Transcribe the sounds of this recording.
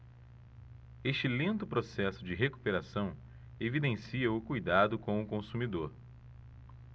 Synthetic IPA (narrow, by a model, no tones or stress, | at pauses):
eʃt͡ʃɪlẽnt̪ʊpɾosɛsʊd͡ʒɪɦeku̥peɾasɐ̃w̃ | evid̪ẽsiɐʊkujd̪ad̪ʊkõw̃ʊkõsumid̪oɾ